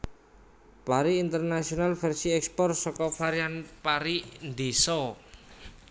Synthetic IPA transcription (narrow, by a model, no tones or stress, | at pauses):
paɾiːnt̪ərnasionalfɛrsiɛkspɔrsɔkɔfaɾianpaɾind̪esɔ